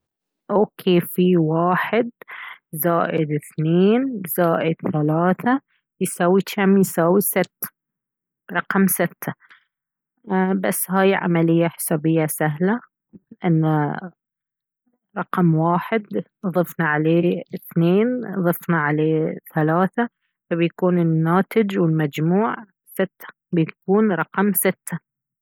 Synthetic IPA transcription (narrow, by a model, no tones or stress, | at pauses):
ʔoːkʰeːfiwaːħɪd̪̚zaːʔɪd̪ɪθneːnzaːʔɪd̪̥θalaːθa | jsawiamjsaːwisɪt̪ːḁ | ɾˤɑqɑmsɪt̪ʰːa | basːhaːjʕa̰malɪjːaħɪ̥sabɪjːasaɦla | ʔɪnːa | ɾˤɑqɑmwaːħɪd̪ | ðˤɨfnɑʕaleːɪθneːnðˤɨfnɑʕaleːθalaːθa | fabjkuːnɪnːaːt̪ɪd͡ʒwɪlmad͡ʒmuːʕ | sɪt̪ːḁ | bɪjkuːnɾˤɑqɑmsɪt̪ːa